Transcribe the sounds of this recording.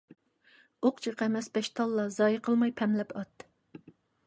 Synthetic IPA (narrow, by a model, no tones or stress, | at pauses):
oqt͡ʃʰɨqʰɛmɛspɛʃt̪ʰɑlˠːɑzɑːjəqʰəlˠmɑjpʰɛmlɛpʰɑt̪ː